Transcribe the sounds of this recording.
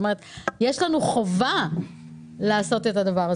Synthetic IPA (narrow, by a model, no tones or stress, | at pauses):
meʁet̪jeʃlanuχova | laːso̞te̞tadavaʁa